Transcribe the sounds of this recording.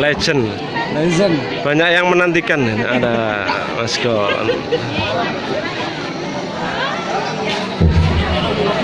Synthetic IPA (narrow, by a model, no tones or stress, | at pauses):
lɛ̥d͡ʒən | d͡ʒən | b̥aɲakjaŋmənant̪ikana̰da | maskɔ̰